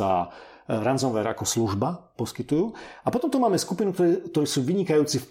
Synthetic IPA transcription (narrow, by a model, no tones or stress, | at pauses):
a̰ | ɾanzɔnʋɛɾa̰kɔsluʒbapɔskit̪ujuːapɔt̪ɔmt̪ɔmaːmɛskupinukt̪ɔɾɛk̚t̪ɔɾɛːsuːʋiɲikajuːt͡sif